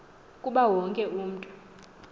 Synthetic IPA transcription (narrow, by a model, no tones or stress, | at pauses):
kʼuɓawɔŋkʼɛuːm̩tʼɔ̥